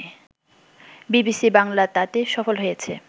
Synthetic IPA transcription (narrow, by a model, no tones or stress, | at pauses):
bibisibaŋlat̪at̪eʃɔfolɦojet͡ɕʰe